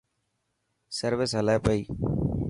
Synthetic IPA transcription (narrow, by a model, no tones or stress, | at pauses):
səɾʋɪsɦəlaːpəiː